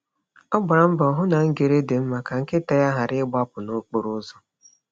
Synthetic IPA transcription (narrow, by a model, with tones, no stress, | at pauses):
ɔ˦ɡ͡ba˨ɾa˨m̩˦bɔ˨ɦʊ˦na˨ŋ̩˦ɡe˨ɾe˦de˨m̩˦ma˨ka˨ŋ̩˦kɪ˦ta˨ja˦ɦa˨ɾɪ˦ɡ͡ba˦pʊ˨no˦k͡po˦ɾʊ˦zɔ˦